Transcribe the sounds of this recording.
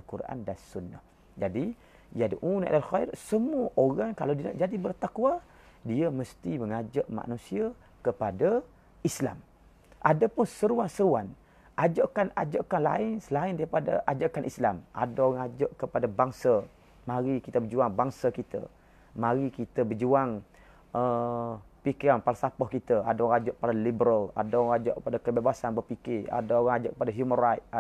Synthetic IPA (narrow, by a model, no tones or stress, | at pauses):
alkuɾʔa̰ndansunːa̰h | d͡ʒadi | jadḭʔunʔa̰lalxaḭɾsəmuəʔoɾaŋka̰lawdiəna̰ʔd͡ʒadibərt̪akwa | diəməst̪iməŋad͡ʒaʔma̰ʔnũsia | kəpada | isla̰m | ʔadapʊnsəɾuansəɾuan | ʔad͡ʒaʔkanad͡ʒaʔkanla̰ɪnsəlaɪndaɾipada̰ʔad͡ʒaʔkanʔislamʔa̰daɣaŋad͡ʒoʔkəpadabaŋsa | mãɾikit̪əbəd͡ʒuaŋbaŋsakit̪ə̰ | mãɾikit̪əbəd͡ʒuaŋ | ə | pikiɾanpalasapɔhkit̪əadoad͡ʒʊʔpalalibəɾala̰daad͡ʒɔʔkəpadakəbebasanbərpikɪa̰daoɣaŋad͡ʒʊʔkəpadaɦjumənrat̪̚